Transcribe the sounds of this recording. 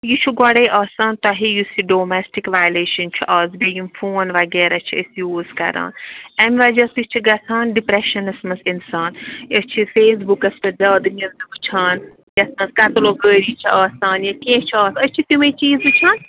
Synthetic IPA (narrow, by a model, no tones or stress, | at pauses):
jut͡ʃʰuɡɔɽejʔɐːsaːnt̪ɐɦijusiɖoːmesʈikʋaːjleːʃɐnt͡ʃʰuʔɐːzbijimfʰoːnʋaɡeːɾɐt͡ʃʰiəsjuːzkɐ̰ɾa̰ːnɐmiʋad͡ʒɐsit͡ʃʰiɡɐt͡s̪ʰaːnɖipɾeʃɐnɐsmɐsinsaːnjɐst͡ʃʰifeːsbukɐstɐzɐːd̪ɨniɾd̪ɨbɨt͡ʃʰaːn | jɐsmɐskɐt̪loːɡəːɾit͡ʃʰiɐːsaːnjɐkẽːt͡ʃʰiɐːsɐt͡ʃʰit̪umẽt͡ʃiːzɨt͡ʃʰaːn